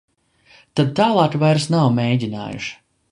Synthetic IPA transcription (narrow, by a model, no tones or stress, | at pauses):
t̪ad̪̚t̪aːlˠɑːkvajɾsnawmʲejɟʲina̰ːjṵʃi̥